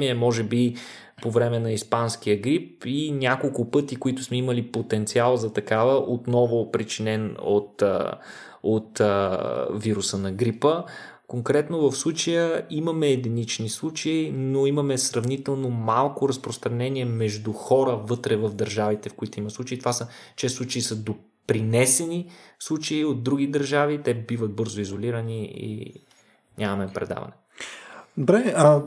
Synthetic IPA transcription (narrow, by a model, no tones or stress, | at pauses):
iɛmɔʒɛbi | povɾɛmɛnɐispanskijəɡɾipinʲakolˠkʊpɤt̪ikoit̪ʊ̥smɛiməlipot̪ɛnt̪sialˠzɐt̪ɐkavəʔot̪nɔvʊpɾit͡ʃinɛno̰t̪ | ot̪əviɾusənɐɡɾipə | koŋkɾɛt̪novɐfslˠut͡ʃəjəiməmɛːd̪init͡ʃnislˠut͡ʃəinoimɐmɛsɾɐvnit̪ɛlˠnomalˠkoɾɐspɾost̪ɾɐnɛniɛmɛʒd̪uxɔɾəvɤt̪ɾɛvəvd̪əɾʒavit̪ɛfkoit̪oiməslˠut͡ʃeit̪ovasət͡ʃɛslˠut͡ʃeisəd̪o | pɾinɛsɛnislˠut͡ʃeiod̪̚d̪ɾuɡ̟id̪əɾʒavit̪ɛbivət̪̚bɤɾzoizoliɾəniḭ | nʲʔamɐmɛpɾɛ̰d̪a̰vɐ̰nɛ | d̪obɾɛə